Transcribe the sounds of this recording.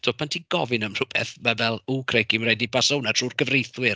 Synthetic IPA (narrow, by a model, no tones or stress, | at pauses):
tʰoːpʰantʰiːɡ̥ɔvɨnəmrʊb̥ɛ̰θmavɛlˠuːkʰrekimrɛdibʰasownatʰr̥uːrkəvrejθwɪr